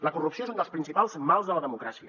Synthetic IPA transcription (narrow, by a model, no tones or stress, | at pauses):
ləkurupsiosond̪əlspɾinsipalˠzmalˠzðələðəmukɾasiə